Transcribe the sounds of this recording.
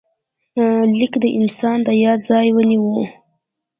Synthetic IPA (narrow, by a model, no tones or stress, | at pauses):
lɪkd̪əʔɪnsɑnd̪əjɑd̪zɑjwəniwu